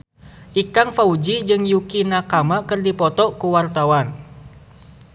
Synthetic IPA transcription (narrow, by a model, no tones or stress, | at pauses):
ʔikaŋfaud͡ʒid͡ʒɨŋjukinakamakɨrdipɔt̪ɔkuwart̪awan